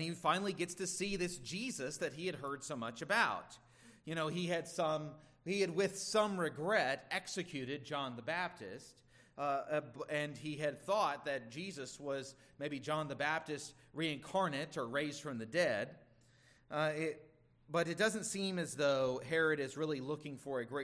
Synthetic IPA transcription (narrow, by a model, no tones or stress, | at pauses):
nifãɪ̃nl̩ˠiɡɛtstʰɨsiðɪsd̥ʒ̥izɨsðɨt̚ɦiɨd̚ɦɜ˞d̥soʊmʌt͡ʃɨbaʊt | jɨñoʊiɨd̥sʌ̃m | hiɨd̚wɪð̥sʌ̃mɹɨɡɹɛɾɛksɨkʰj̥ʉɾɨd̚d͡ʒɑ̃nðəbæp̚tʰɪ̰st̚ | ɨ̃niɨd̪̥̚θɔt̪̚ðɨt̚d̥ʒ̥izɨswʌz | meɪbid͡ʒɑ̃nðɨbæp̚tɨst̚ | ɹiɨ̃nkʰɑɹnɨɾə˞ɹeɪzd̥fɹʌ̃mðɨdɛd̚ | ɪ | b̥ʌɾɨt̚d̥ʌzɨ̃n̩tsĩmɨzðoʊɦɛɹɨɾɨzɹɪlˠilʊkɪ̃ŋfə˞ɨɡɹeɪ